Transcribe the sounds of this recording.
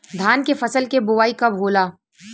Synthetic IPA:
d̪ʱaːnkefɐsəlkebʊʋaːikɐbɦoːlaː

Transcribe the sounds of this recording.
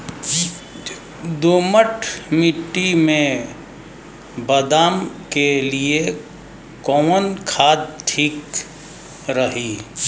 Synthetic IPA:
d̪oːməʈʰmiʈːimẽ | bəd̪aːmkelie | kɔːmənkʰaːd̪̚ʈʰiːk | ɾəɦiː

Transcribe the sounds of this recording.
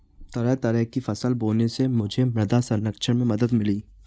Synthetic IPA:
t̪ɐɾɛt̪ɐɾɛːkifɐsəlboːlnesemʊd͡ʒʱemɾɐd̪asɐnːəkʃʰəɾmẽmɐd̪əd̪mɪliː

